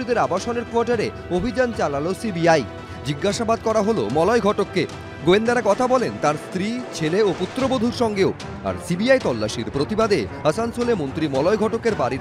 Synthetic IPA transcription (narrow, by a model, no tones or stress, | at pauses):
id̪eɾabaʃoneɾkoaʈaɾe | obʱid͡ʑant͡ɕalalosibiaj | d͡ʑiɡːaʃabad̪̚kɔɾaɦolo̰mɔlɔeɡʱɔʈokːe | ɡoend̪aɾakɔt̪ʰabɔlent̪aɾst̪ɾit͡ɕʰeleoput̪ːɾobod̪ʱuɾʃɔŋɡeo | a̰ɾsibiajt̪ɔlːaʃiɾpɾot̪ibad̪e | əsansolemont̪ɾimɔlɔjɡʱɔʈokeɾbaɾiɾ